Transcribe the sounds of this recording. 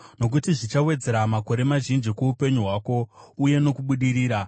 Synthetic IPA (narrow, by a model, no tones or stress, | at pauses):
no̞k̬utiʐit͡ʃawe̞d͡ze̞ɾamako̞ɾe̞maʒind͡ʒikwoupe̞ɲuɦwaːko̞uje̞no̞kuɓuɗiɾiːɾa